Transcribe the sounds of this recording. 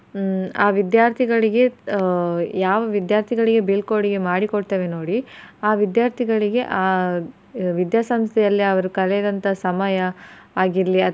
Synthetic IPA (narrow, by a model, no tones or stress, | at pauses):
aːʋid̪jaːɾt̪ʰiɡɐɭiɡe̞ | jaːʋɐʋid̪jaːɾt̪ʰiɡɐɭiɡe̞bilkoːɽiɡe̞maːɽikoɽt̪eːʋeno̞ːɽiaːʋid̪jaːɾt̪ʰiɡɐɭiɡe̞ʔaː | ʋid̪jaːsɐmst̪ʰɛjɐlːiɐʋɐɾukɐlɛd̪ɐnt̪ʰɐsɐmajɐːɡiɾliɐ